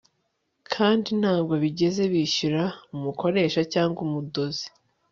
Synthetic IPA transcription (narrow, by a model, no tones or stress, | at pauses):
kʰaːndin̥haːbɡo̞βiɟe̞ze̞βiʃuɾaumuko̞ɾe̞ːʃacaːŋɡumudo̞zi̥